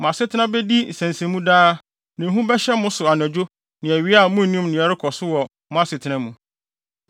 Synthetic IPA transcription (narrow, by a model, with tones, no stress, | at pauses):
m˨ã˨sɪ˦tʰɪ˦nã˦bɛ˦di˦n̩˨sæ̃˨n˨sæ̃˨mũ˦daː˦ | nã˨ɦũ˦bɛ˦ɕɛ˦mʊ̃˦sʊ˨a˨n˨æ̃˨d͡ʑᶣo˦ | nɪ̃˨æ˨ɥi˦a˦˨mũ˦n˨nĩ˦mnɪ̃˨ɛ˨ɾɪ˦kʰɔ˨sʊ˦wɔ˨ | m̃˦ã˦sɪ˨tʰɪ˨˦ã˦mũ˨